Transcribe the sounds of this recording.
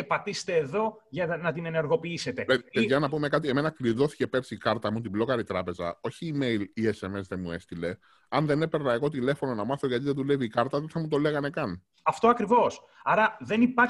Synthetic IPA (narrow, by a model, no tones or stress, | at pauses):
epɐt̪ist̪e̞ːðo̞ʝɐnɐt̪ine̞ne̞ɾɣo̞piise̞t̪e̞peeʝɐnɐpume̞kɐt̪ie̞menɐkliðo̞θi̥ce̞pe̞ɾsikɐɾt̪ɐmut̪iblo̞kɐɾit̪ɾɐpe̞zɐ̰o̞çiːme̞jliese̞me̞zðemue̞st̪ile̞ | ɐnðenepeɾnɐeɣo̞t̪ile̞fo̞no̞nɐmɐθo̞ʝɐt̪iðeðuleviːkɐɾt̪ɐðeθɐmut̪o̞le̞ɣɐne̞kɐn | ɐft̪oɐkɾivo̞s | ɐɾɐðe̞nipɐ